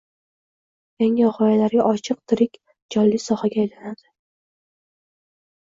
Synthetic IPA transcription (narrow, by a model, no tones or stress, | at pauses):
jaŋɪʁɒjalaɾɡʲaʔɒt͡ʃʰɨq̚t̪ʰɪɾɪkʲ | d͡ʒɒlːisɒhaɡʲaːjlanad̪̥ɪ